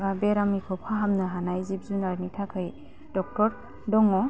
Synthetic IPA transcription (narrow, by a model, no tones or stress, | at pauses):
abeɾamikʰɔpʰaɦamnɯɦanajzip̚zunaɾnitʰakʰɯj | dɔk̚tɔɾ | dɔŋɔ